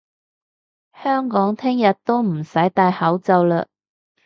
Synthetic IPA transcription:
hœː˥ŋkɔː˨˥ŋt̪ʰɪ˥ŋjɐ˨t̚t̪o˥wm̩˨˩sɐ˨˥jt̪aː˧jhɐ˨˥wt͡sɐ˨˧wlɐ̰˧

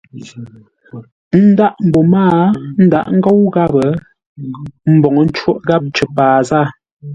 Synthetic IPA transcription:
n̩˦da˦ʔm̩˨bo˨maː˦˨n̩˦da̰˦ʔŋ̩˦ɡo˦wɣa˦bə˨˦ | m̩˦bɔ˨ŋə˨˦n̩˦t͡ʃwo˦ʔɣa˦p̚t͡ʃə˨paː˨zaː˦˨

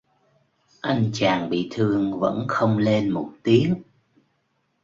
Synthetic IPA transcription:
ʔa˧jŋ̟t͡ɕaː˨˩ŋɓḭ˧˨t̪ʰɨ˧əŋvə̰˧˥nxə˧wŋ͡mle˧nmo˨˩t̚t̪i˨˦əŋ

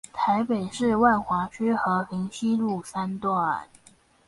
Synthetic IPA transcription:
t̪ʰa˧˥ɪpe˨˩ɪʂɻ̩˥˧wa˥˩nxwa˧˥t͡ɕʰy˥xɤ˧˥fi˧˥ŋɕi˥lu˥˩sa˥nt̪wɔ˥˩ə˨˩˦

